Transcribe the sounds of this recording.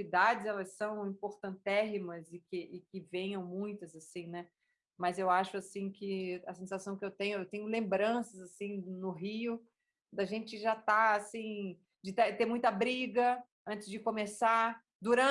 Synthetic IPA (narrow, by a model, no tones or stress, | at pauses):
id̪ad͡ʒɪzɛlɐsːɐ̃w̃ĩpoɾt̪ɐ̃t̪ɛɦimɐzɪkɪʔɪkɪvẽjɐ̃w̃mũj̃t̪ɐzasĩnɛ | mɐzewaʃʊasĩkɪɐsẽsasɐ̃w̃kɪewt̪ẽɲʊewt̪ẽɲʊlẽmbɾɐ̃sɐzasĩnʊɦiʊ | d̪ɐʒẽnt͡ʃɪʒat̪aasĩ | d͡ʒɪt̪et̪eɾmũj̃t̪ɐbɾiɡɐ | ɐ̃nt͡ʃɪzd͡ʒɪkomesaɾ | d̪uɾɐ̃